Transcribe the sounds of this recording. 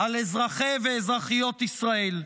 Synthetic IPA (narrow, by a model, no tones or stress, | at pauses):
alezʁaχeveːzʁaχijo̞t̪isʁae̞l